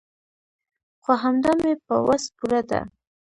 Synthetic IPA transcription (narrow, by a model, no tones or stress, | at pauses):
xaɦamd̪amepə̰waspuɾad̪a̰